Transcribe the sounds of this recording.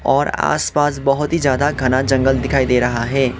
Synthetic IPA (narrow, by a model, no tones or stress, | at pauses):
ɔːɾa̰ːspaːsbɐɦʊt̪ɦid͡ʒjaːd̪aɡʱɐnad͡ʒɐ̃ŋɡəld̪ɪkʰaːid̪eːɾɐɦaɦɛː